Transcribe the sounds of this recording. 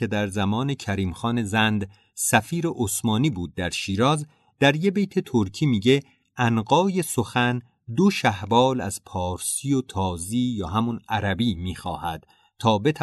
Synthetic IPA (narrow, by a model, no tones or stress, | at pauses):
ed̪æɾzæmɒːne̞cʰæɾiːmxɒːne̞zænd̪ | sæfiːɾeʔosmɒːniːbuːd̪̚ːæɾʃiːɾɒːz | d̪̥æɾje̞be̞jt̪ʰet̪ʰoɾkʰiːmiːɟe | ænɢɒːje̞soxæn | d̪oʃæhbɒːlæ̰z̥pʰɒːɾsiot̪ʰɒːziːjɒːɦæmunæɾæbiːmiːxɒːhæd̪̥ | t̪ʰɒːbe̞t̪ʰæ